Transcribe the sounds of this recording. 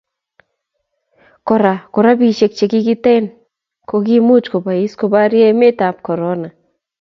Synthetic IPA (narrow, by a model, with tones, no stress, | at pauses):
kɔ˨ɾa˨ko˨ɾa˦bi˨ʃe˨k̚t͡ʃe˨ki˦ki˦tɛ˦n | ko˧ki˦mu˦t͡ʃko˨ba˨i˦sko˧ba˦ɾjɛ˦me˦ta˨p̚kɔ˨ɾɔ˦na˨